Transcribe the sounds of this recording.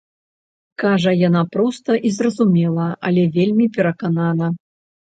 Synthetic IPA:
kaʐɐjanapɾɔst̪ɐʔizrɐzumʲɛlˠɐɐlʲɛvʲelʲmʲipʲɛɾɐkananɐ

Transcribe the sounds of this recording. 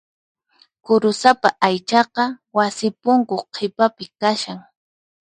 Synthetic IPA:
kʊɾʊsapaʔajt͡ʃɑqɑwasɪpʊŋkoqʰepapɪkaʃaŋ

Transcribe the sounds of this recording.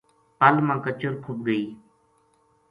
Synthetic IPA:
pəlmãːkət͡ʃʊɾkʰʊb̚ɡəiː

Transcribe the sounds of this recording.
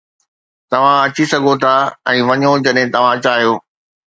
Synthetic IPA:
t̪ɐʋ̤ãɐt͡ɕisɐɡʱot̪ʰaːɛ̃ːʋɐɲod͡ʑɐɗɦɪ̃t̪ɐʋ̤ãɐt͡ɕaːɦijoː

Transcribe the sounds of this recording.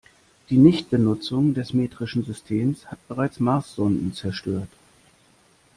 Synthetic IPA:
d̥iːnɪçt̚b̥ənʊt͡sʊŋdɛsmeːtʁ̥ɪʃn̩zʏstʰeːmshat̚b̥əʁaɪt͡smaːsz̥ɔndn̩t͡sɛɐʃtøːɐt

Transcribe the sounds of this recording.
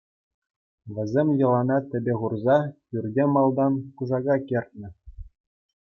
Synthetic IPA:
ʋʲɘ̆zʲemʲjɤ̆lˠɑnɑt̪ʲɘ̆bʲeʁurzɑjyrʲdʲemɑlˠd̪ɑnkuzɑɡɑkʲerʲt̪̚ʲnʲɘ̆

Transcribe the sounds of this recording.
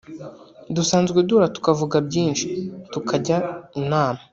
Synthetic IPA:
dusaːnzɡeduːɾatu̥kavuɡabɟiːnʃi̥tukʰaɟainaːma

